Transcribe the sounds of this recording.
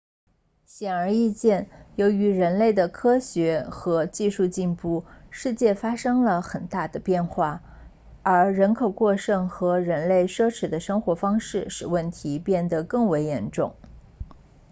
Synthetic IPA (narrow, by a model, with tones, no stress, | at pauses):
ɕjɛ˨˩nə˞˧˥i˥˧t͡ɕjɛ˥˩njo˧˥ʊy˧˥ɻə˧˥nle˥˩ɪd̪ə˩kʰɤ˥ɕɥɛ˧˥xɤ˧˥t͡ɕi˥˧ʂu˥˧t͡ɕi˥˧npu˥˩ʂɻ̩˥˧t͡ɕjɛ˥˩fa˥ʂɤ˥ŋlə˨xə˨˩nt̪a˥˩d̪ə˩pjɛ˥˧nxwa˥˩ | ə˞˧˥ɻə˧˥nkʰo˨˩ʊkwɔ˥˧ʂɤ˥˩ŋxɤ˧˥ɻə˧˥nle˥˩ɪʂɤ˥ʈ͡ʂʰɻ̩˧˥d̪ə˧ʂɤ˥ŋxwɔ˧˥fɑ˥ŋʂɻ̩˥˩ʂɻ̩˨˩wə˥˩nt̪ʰi˧˥pjɛ˥˩nd̪ə˩kɤ˥˩ŋwe˧˥ɪjɛ˧˥nʈ͡ʂʊ˥˩ŋ